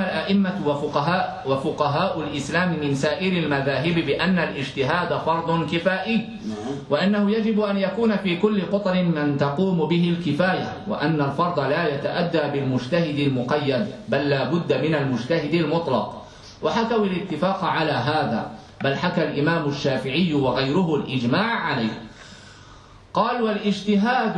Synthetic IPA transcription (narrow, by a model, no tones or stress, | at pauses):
alʔaʔɪmːawʊqa | wafʊqɑɦaːʔʊlʔɪslaːmɪmɪnsaːʔɪɾɪlmaðaːɦɪbɪbɪʔanːalʔɪd͡ʒt̪ɪɦaːd̪afɑɾˤd̪ˤʊnkɪfaːʔɪjː | wɪʔanːahʊjad͡ʒɪbʔanjakuːnafiːkʊlːɪqʊt̪ˤɾɪmɪnt̪ɑquːmʊbɪɦɪlkɪfaːja | wɪ̰ʔanːalfɑɾˤd̪ˤɑlaːjat̪aʔad̪ːaːbɪlmʊd͡ʒt̪ahɪd̪ɪlmʊqɑjːad̪balːaːbʊd̪ːamɪnalmʊd͡ʒt̪ahɪd̪ɪlmʊt̪ˤlɑq | waħakawɪlɪt̪ːɪfaːqʕalaːɦaːða̰ː | balħakalʔɪmaːmʊʃːaːfɪʕɪjːʊwɑɣajɾʊhʊlʔɪd͡ʒmaːʕːalajh | qɑːlwalʔɪd͡ʒt̪ɪɦaːd̪